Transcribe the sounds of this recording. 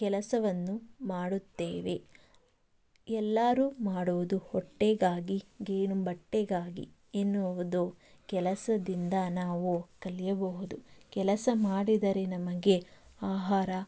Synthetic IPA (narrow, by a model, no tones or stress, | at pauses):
kɛlɐsɐʋɐnːumaːɽut̪ːeːʋe̞̰ | ɛlːaːɾuːmaːɽuʋud̪uhɔʈːeːɡaːɡiɡeːnubɐʈːeːɡaːɡḭ | enːuʋud̪o | kɛlɐsɐd̪ind̪ɐnaːʋukɐlijɐbɐɦud̪ukɛlɐsɐmaːɽid̪ɐɾe̞nɐmɐɡe̞aːɦaːɾɐ